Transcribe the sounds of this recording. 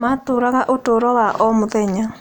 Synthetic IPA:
matoɾaðaʔotoːɾɔwaʔɔmuðɛɲa

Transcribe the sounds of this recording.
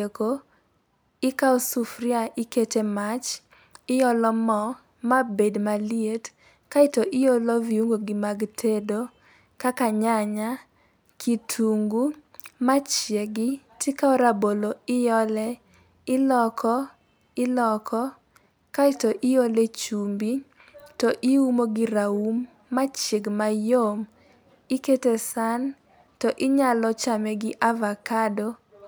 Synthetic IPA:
eko | ɪkaosufɾiaʔɪketemat͡ʃ | ɪjɔlɔmɔ | mabedmaliet | kaɪtoʔɪjolɔviuŋɡoɡɪmaɡtʰedo | kakaɲaɲa | kʰitʰuŋɡumat͡ʃjeɡɪtɪkaɔɾaboloɪjɔlɛ | ɪlɔkʰɔ | ɪlɔkʰɔ | katɔʔɪjolet͡ʃumbi | tɔʔiumoɡɪɾaumː | at͡ʃjeɡmajom | ɪketesan | tɔʔɪɲalɔt͡ʃamɛɡɪʔavakado

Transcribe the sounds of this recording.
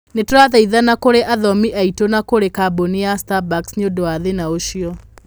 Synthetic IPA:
netoɾaðaiðanakoɾeʔaðɔmiʔaitonakoɾekabonijastabaksɲodoaðenaoʃiɔ

